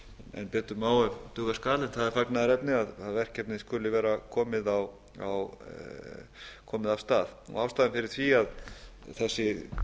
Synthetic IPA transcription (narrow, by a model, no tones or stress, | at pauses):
ɛ̰npɛːt̪ʏmaːwʏvt̪ʏːɣaskaːlɪnθaðɛɾfaknaðɾɛpnɪaðaðvɛr̥cɛp̚nɪskʏlɪvɛːɾakʰɔːmɪðaw | a̰w | kʰɔːmɪðav̥st̪aːðɔ̰aːfst̪aðɪfɪɾɪɾ̥θviaðθɛsːɪ